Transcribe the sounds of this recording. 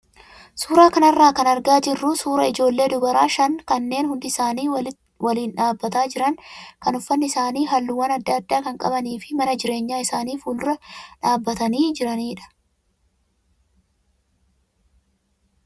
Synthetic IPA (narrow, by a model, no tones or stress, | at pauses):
suːɾaːkɐnɐrːaːkɐnɐɾɡaːd͡ʒɪrːuːsuːɾɐɪd͡ʒo̞ːlːe̞ːd̪ʊbɐɾaːʃɐnkɐnːe̞ːnhʊnd̪ɪsaːniː | wɐliːnᶑaːbːɐt̪aːd͡ʒɪɾɐnkɐnʊfːɐnːɪsaːniːɦɐlːuwɐnɐd̪ːɐːd̪ːaːkɐŋkʼɐ̰bɐniːfɪ̥mɐnɐd͡ʒɪɾe̞ːɲːaːɪsaːniːfuːlʊɾɐᶑaːbːɐt̪ɐniːd͡ʒɪɾɐniːᶑɐ̥